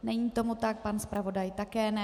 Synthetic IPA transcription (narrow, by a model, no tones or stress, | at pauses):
nɛɲiːt̪o̞mut̪ak̚panspɾavo̞dajt̪akɛːnɛ